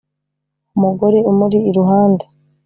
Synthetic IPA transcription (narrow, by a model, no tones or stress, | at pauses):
umuɡo̞ɾe̞umuɾiːɾuɦaːnda